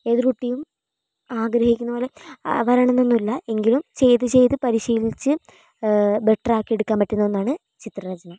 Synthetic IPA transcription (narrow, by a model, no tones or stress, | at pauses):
e̞ːðiɾkuʈːijum | aːɡɾɐhikʲːunːɐboːleʋɐɾɐɳɐnːonːulːɐe̞ŋɡilumt͡ɕe̞jt̪ɨt͡ɕe̞jt̪ɨpɐɾiɕiːlit͡ɕːɨ | be̞ʈːraːkːieɽukːaːmpɐʈːenːɐonːaːɳɨ | t͡ɕit̪rɐrɐd͡ʑɐnɐ